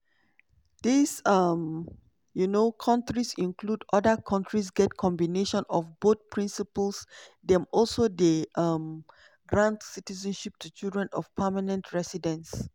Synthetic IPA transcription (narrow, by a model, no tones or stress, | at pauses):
disam | junokʰãntɹisĩnkludɔdəkʰãntʰɹis̬ɡɛt̚kʰɔ̃mbineʃɔ̃nɔfbot̪̚pɹĩnsipəlsdɛ̃mɔlsodeʔam | ɡɹãntsitizə̃nʃip̚tʰut͡ʃildɹɛ̃nɔfpʰamanə̃ntʰɹɛsidə̃ns